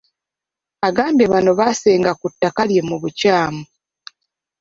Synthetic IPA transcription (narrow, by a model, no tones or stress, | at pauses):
aɡaːmbeβano̞βase̞ːŋɡakutːakalje̞muβucaːmu